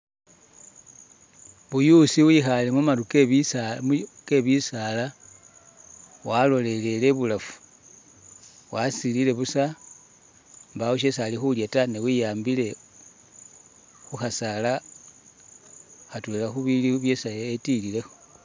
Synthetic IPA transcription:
βujusiwixale̞mumaɾukeβiake̞βisala | walo̞le̞le̞le̞βulafu̥ | wasilile̞βusa | mbawuʃe̞salixuljatanewijaːmbile̞ | xuxasala | xatwelaxuβiliβje̞sajetilile̞xo̥

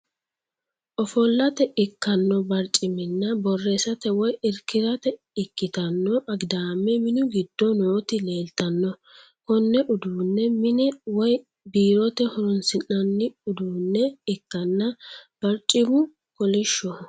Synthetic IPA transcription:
ʔɔfɔlːɐt̪ɛʔɪkːɐnːɔbɐɾt͡ʃʼːɪmɪnːɐbɔrːesɐt̪ɛwɔjɪɾkːɪd̪ɐt̪ɛ | ɪkːɪt̪ɐnːɔʔɐɡd̪aːmːɛmɪnʊɡɪd̪ːɔnoːt̪ɪle̞ːlt̪ɐnːɔ | kɔnːɛʔʊd̪uːnːɛmɪnɛwɔj | biːɾɔt̪ɛhɔɾʊnsɪnːɐnːɪʊd̪uːnːɛɪkːɐnːɐb̥ɐɾt͡ʃʼːɪmʊ | kɔlɪʃːɔ

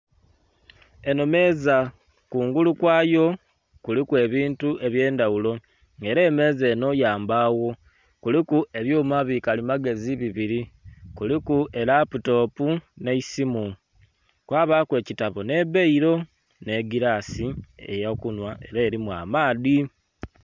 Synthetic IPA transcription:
e̞nome̞za | kuːŋɡulukwaːjo̞ | kulikwe̞ːβiːntuʔe̞βje̞ːndawulo̞ | ŋe̞ɾe̞ːme̞ːze̞ːno̞jaːmbaːwo̞ | kulikue̞βjoːmaβikalimaɡe̞ziβiβiɾikulikuʔe̞ɾaputo̞ːpune̞isimu | kwaːβakwe̞ːcitaβo̞ne̞βeiɾo̞ | ne̞ɡiɾaːsiḛjakunwae̞̰ɾaːɾimwa̰ːmaːði

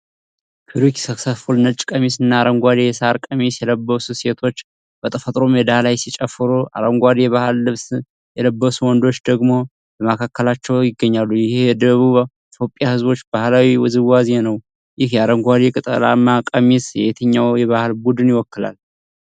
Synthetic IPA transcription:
kʰɨɾiksəksəfulnət͡ʃʼkʼəmisɨnːaːɾəŋɡʷad̪ijɛsaɾkʼəmisjɛləbːəsuse̞t̪ʰo̞t͡ʃː | b̥ət̪ʼəfət̪ʼɾo̞mjɛd̪alajsit͡ʃʼəfːɨɾuʔa̰ɾəŋɡʷad̪ijɛβahɨlːɨβs | jɛləbːəsuwɔnd̪o̞t͡ʃːd̪əɡmo̞ | ləmakʰakːəlat͡ʃːɛwjɪɡːəɲːalːujɪhejɛd̪əβuβ | it̪jo̞pʼːɪjahɨzbo̞t͡ʃːbahlawiwɔzɨwwazenəw | jɪhjɛaɾəŋɡʷad̪ikʼɨt̪ʼə̰la̰mːakʼəmisjɛet̪ʰəɲːawjɛβahlbud̪ɨnjɪwɔkːɨla̰l

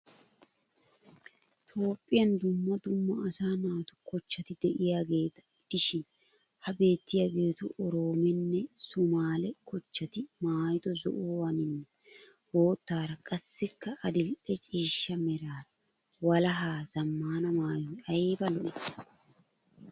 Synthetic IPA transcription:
t̪ʰo̞ːpʼːɪjɐnd̪ʊmːɐd̪ʊmːɐɐsaːnaːt̪ʊ̥kɔt͡ʃːɐt̪ɪd̪ɛʔɪjaːɡe̞ːt̪ɐ̥ɪd̪̥ɪʃɪn | hɐbe̞ːt̪ːɪjaːɡe̞ːt̪ʊ̰ʔɔɾo̞ːmɛnːɛsʊmaːlɛkʰɔt͡ʃːɐt̪ɪmaːjɪd̪ɔzɔ̰ʔʊwɐnɪnːɛ | ho̞ːt̪ːaːɾɐkʼɐsːɪkːɐʔɐd̪ɪlʔɛt͡ʃʼiːʃːɐmɛɾaːɾɐ | wɐlɐɦaːzɐmːaːnɐmaːjɔɐjbɐlɔʔɪ

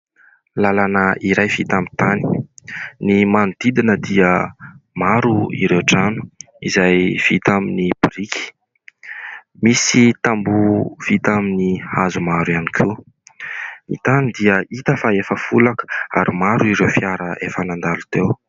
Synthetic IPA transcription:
lalanəiɾajv̥it̪ambi̥t̪ani̥ | nimanud̪̥id̪inəd̪iəmaɾuḭɾewʈ͡ʂanu̥ | izajv̥it̪aminibɾiki̥ | misit̪ambuv̥it̪aminihazumaɾuianikʰi | nḭt̪anid̪iəit̪əfaefəfulakə̥a̰ɾimaɾuiɾewfiaɾəʔefənand̪alut̪ew

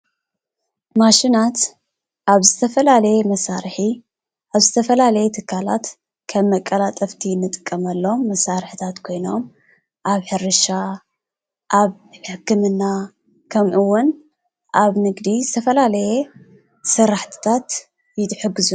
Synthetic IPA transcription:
maʃinat̪ | ʔaβzɨt̪ʰɐfɐlalɐjemɐsaɾɨħi | ʔaβzɨt̪ʰɐfɐlalɐjet̪ʰɨkʰːala̰t̪ | kʰɐmːɐkʼːɐlat̪ʼɐft̪ʰinːɨt̪ʼɨ̥kʼːɐmɐlːomːɐsaɾħɨt̪ʰat̪kʰo̞jno̞m | ʔaβħɨɾɨʃa | ʔaβ | ħɨkʰːɨmɨnːa | kʰɐmʔɨwːʊn | ʔaβnɨɡd̪izɨt̪ʰɐfɐlalɐje | sɨɾːaħt̪ʰɨ̥t̪ʰat̪ | jɪt̪ʼħɨɡɨzu

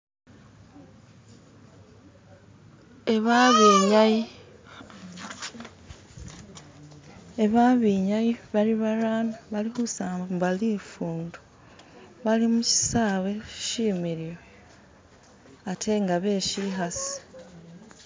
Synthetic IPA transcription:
eβ | eβaβiɲajiβaliβaɾaːnaβalihusaːmbalifuːndu̥ | βalimuci̥saːwe̞ʃiːmiɾijoe | atʰe̞ŋɡaβe̞ːʃiɦasi̥

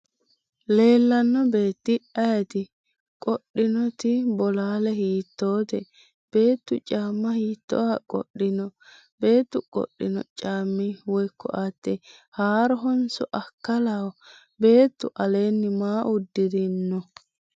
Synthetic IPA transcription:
le̞ːlːɐnːɔbe̞ːt̪ːɪʔɐjɐt̪ɪ | kʼɔɗɪnɔt̪ɪbɔlaːlɛɦiːt̪ːo̞ːt̪ɛ | b̥e̞ːt̪ːʊt͡ʃʼaːmːɐhiːt̪ːɔ̰wɐkʼɔ̰ɗːɪnɔ | be̞ːt̪ːʊkʼɔ̰ɗːɪnɔ̰t͡ʃʼaːmːɪwɔjkːɔ̰ʔat̪ːɛhaːɾɔɦɔnsɔʔɐkːɐlaw | be̞ːt̪ːʊʔɐle̞ːnːɪmaːʔʊd̪ːɪd̪ɪnːɔ

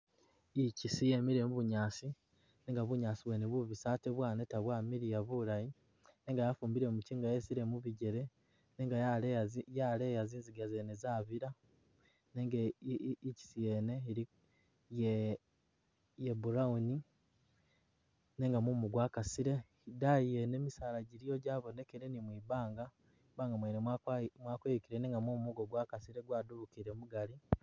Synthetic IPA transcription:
icisijemiɾemuβuɲaːsi | neːŋɡaβuɲaːsiβweneβwuβisaːteβwaːnetaβwaːmiɾijaβuɾaji | ne̞ːŋɡajafuːmbiɾe̞muciːŋɡajesiɾe̞muβiɟe̞ɾe̞ | neːŋɡajaljale̞jaziːnziɡazenezaːβiɾa | neŋɡici̥sije̞ne̞iɾi | je | jebuɾauni | ne̞ːŋɡamumuɡwaːkasiɾe̞ | idaijene̞ːmisaːlaɟiɾijo̞ɟaːβo̞ne̞keɾe̞nimwiβaːŋɡa | ibaːŋɡamwenemwaːkweukiɾeneːŋɡamumuɡo̞ɡwaːkasiɾe̞ɡwaːduβukiɾemuɡali

